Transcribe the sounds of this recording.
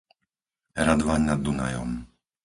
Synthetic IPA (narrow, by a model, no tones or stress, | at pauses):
ɾad̪ʋaɲnad̪ːuna̰jɔ̰m